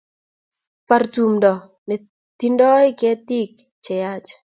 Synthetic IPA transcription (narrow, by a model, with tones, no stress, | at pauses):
pa˨rtu˨mdɔ˨ | nɛ˨ | t̪i˦ndɔ˦ɪ˦kɛ˦t̪i˦k | t͡ʃɛ˨ja˦t͡ʃ